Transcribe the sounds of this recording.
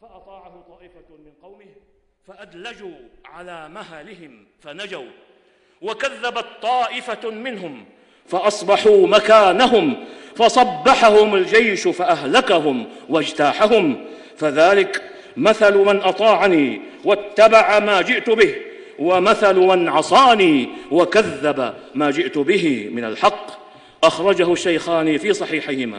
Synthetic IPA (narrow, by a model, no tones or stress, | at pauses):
fɑʔɑt̪ˤɑːʕahʊt̪ˤɑːʔɪfamɪnqɑwmɪh | faʔad̪lad͡ʒuːʕalaːmahalɪhɪm | fanad͡ʒaw | wakaðːabat̪t̪ˤːɑːʔɪfamɪnɦʊm | faʔɑsˤbɑħuːmakaːnaɦʊmfɑsˤɑbːɑħahʊmald͡ʒajʃfaʔaɦlakaɦʊmwaʔad͡ʒt̪aːħaɦʊm | faðaːlɪk | maθalmanʔɑt̪ˤɑːʕaniː | wat̪ːabaʕamaːd͡ʒɪʔt̪ʊbɪh | wamaθalmanʕɑsˤɑːniːwakaðːabamaːd͡ʒɪʔt̪ʊbɪɦɪmɪna̰lħɑqː | ʔaxɾˤɑd͡ʒahʊʃːajxaːnifiːsˤɑħiːħɪhɪma̰ː